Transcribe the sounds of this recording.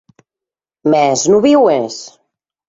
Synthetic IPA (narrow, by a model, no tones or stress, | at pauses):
mɛznuβiwes